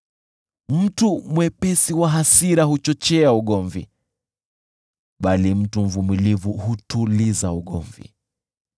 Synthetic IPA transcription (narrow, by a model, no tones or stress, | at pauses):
m̩tumwɛpɛsiwaɦasiɾahut͡ʃɔt͡ʃɛauɠɔɱvḭ | ɓalim̩tum̩vumilivuhutulizauɠɔ̰ɱvḭ